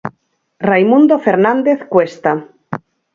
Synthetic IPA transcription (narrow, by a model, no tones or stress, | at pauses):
rejmũnd̪ofeɾnãnd̪eθkwest̪a